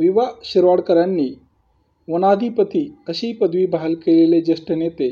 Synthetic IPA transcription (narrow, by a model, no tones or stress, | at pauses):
ʋiʋaɕiɾʋaɽkəɾjanːiː | ʋənad̪ʱipət̪iːəɕiːpəd̪ʋiːbʱaɦəlkeleled͡ʑesʈənjet̪e